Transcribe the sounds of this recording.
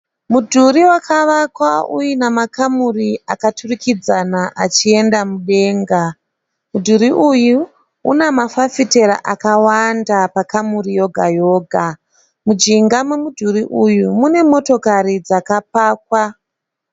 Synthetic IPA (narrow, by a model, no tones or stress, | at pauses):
mudʱuɾiwakʰaʋakwaṵjinamakamuriakaturikid͡zanaʔat͡ʃie̞ndamuɗe̞ːŋɡa | mudʱuɾiʔuju | ṵnemafafite̞ɾa̰ʔakawandapakamurijo̞ɡʱajo̞ːɡʱa | mud͡ʒiŋɡamwemudʱuɾiʔujumune̞mo̞to̞kaɾid͡zakap̚aːk̚wa